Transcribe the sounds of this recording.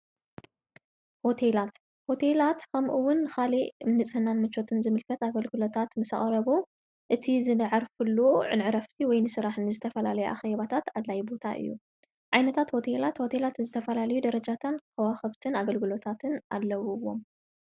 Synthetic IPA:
ho̞t̪ʰelat̪ | ho̞t̪ʰelat̪kʰɐmʔɨwʊnːɨxaliɨmnɨt͡sʼhɨnanmɨt͡ʃːo̞t̪ʰɨnzɨmɨlkʰɐt̪aɡɐlɡɨlo̞t̪ʰat̪mɨsa̰χʼɾɐβu | ʔɨt̪ʰizɨnɐʕaɾfɨlːuʕɨ̰nʕɨɾɐft̪ʰiwɔjnɨsɨɾaħnɨzɨt̪ʰɐfɐlalɐjuʔa̰xeβat̪ʰat̪ʕad̪lajbo̞t̪ʰaʔɨ̰jːu | ʕajnɐt̪ʰat̪ho̞t̪ʰelat̪ho̞t̪ʰe̞lat̪zɨt̪ʰɐfɐlalɐjud̪ɐɾɐd͡ʒat̪ʰankʰɐwaxɐβt̪ʰɨnaɡɐlɡɨlo̞t̪ʰat̪ʰɨna̰lːɐwuwːo̞̰m

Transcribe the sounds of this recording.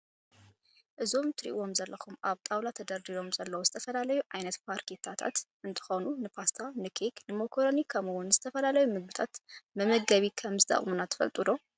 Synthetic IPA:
ʔɨzomt̪ʰɨɾḭʔwo̞mzɐlːɐxumʔaβt̪ʼawlat̪ʰɐd̪ɐɾd̪ilo̞mzɐlːɐwozɨt̪ʰɐfɐlalɐjuʕajnɐt̪pʰaɾkʰet̪ʰat̪ʰa̰t̪ʔɨnt̪ʰɨ̥xo̞nunɨpʰast̪ʰanɨkʰeknɨmokʰoɾonikʰɐmɨwʊnzɨt̪ʰɐfɐlalɐjumɨɡ̚bɨt̪ʰat̪mɐmɐɡɐβikʰɐmzɨt̪ʰʼa̰χʼmunat̪ʰːɨ̥fɐ̰lt̪ʼɨd̪o̞

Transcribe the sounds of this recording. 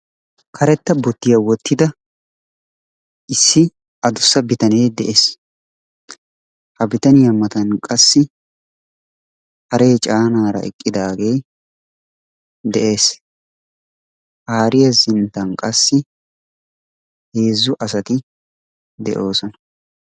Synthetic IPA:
kʰɐɾɛt̪ːɐbɔt̪ːɪjɐwɔt̪ʰːɪd̪ɐ | ʔɪsːɪ | ʔɐd̪ʊsːɐbɪt̪ɐneːd̪ɛʔe̞ːs | hɐbɪt̪ɐnɪjɐmɐt̪ɐnkʼɐsːɪ | hɐɾe̞ːt͡ʃʼaːnaːɾɐ̰ʔɛ̰kʼːɪd̪aːɡe̞ː | d̪ɛʔe̞ːs | haːɾɪjɐzɪnt̪ːɐnkʼɐsːɪ | he̞ːzːʊʔɐsɐt̪ɪ | d̪ɛ̰ʔo̞ːsɔnɐ̥

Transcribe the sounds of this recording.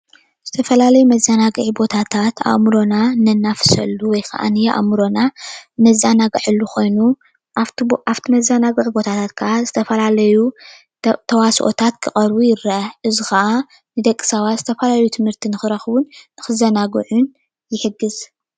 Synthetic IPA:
z̥ɨt̪ʰɐfɐlalɐjumɐzɐnaɡɨʕibo̞t̪ʰat̪ʰat̪ʰa̰mɾo̞nanɐnːafɨ̥sɐlːuwɔjkʰɐ̰ʔa̰nɨjʔa̰mɾo̞nanɐzanaɡɨʕɨlːuxʰo̞jnu | ʔaft̪ʰimɐzanaɡɨʔʼibo̞t̪ʰat̪ʰat̪̚kʰɨʔazɨt̪ʰɐfɐlalɐju | t̪ʰɐwasʔo̰t̪ʰat̪kʰɨχʼɐɾbujɪɾaʔɨzixɐʔa | nɨd̪ɐkʼːi̥sɐβazɨt̪ʰɐfɐlalɐjut̪ʰɨmhɨɾt̪ʰinɨxɨɾɐxβunːɨxɨzɐnaɡɨʕun | jɪħɨɡɨz

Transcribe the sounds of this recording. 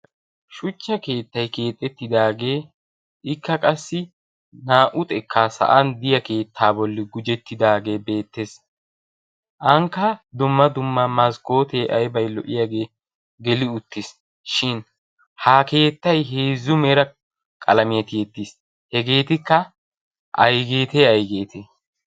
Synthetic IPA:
ʃʊt͡ʃːɐke̞ːt̪ːɐjke̞ːt̪ʼːɛt̪ːɪd̪aːɡe̞ː | ʔɪkːɐkʼɐsːɪ | naːʔʊt̪ʼɛkʰːasɐ̰ʔɐnd̪ɪjɐke̞ːt̪ʰːaːbɔlːɪɡʊd͡ʒɛt̪ːɪd̪aːɡe̞ːbe̞ːt̪ːe̞s | ʔɐŋkːɐd̪ʊmːɐd̪ʊmːɐmɐsko̞ːt̪eːʔɐjbɐjlɔʔɪjaɡe̞ː | ɡɛlɪʊt̪ːɪs | ʃɪn | haːke̞ːt̪ːɐjɦeːzːʊmɛɾɐ | kʼɐlɐmɪjɐt̪ɪjɛt̪ːis | hɛɡe̞ːt̪ɪkːɐ | ʔɐjɡe̞ːt̪eɐjɡe̞ːt̪ʰe

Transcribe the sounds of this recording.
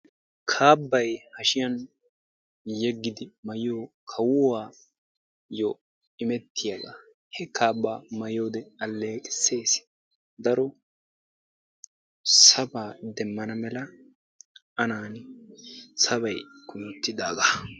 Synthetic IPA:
kʰaːbːɐjhɐʃɪjɐn | jɛɡːɪd̪ɪmɐjɪjoːkʰɐwʊwaː | jo | ɪmɛt̪ʰːɪjaɡa | hɛkʰaːbːaːmɐjoːd̪ɛɐlːe̞ːkʼɪ̥sːe̞ːs | d̪ɐɾɔ | sɐbaːd̪ɛmːɐnɐmɛlɐ | ɐnaːn | sɐbɐjɡʊjɔt̪ːɪd̪aːɡa

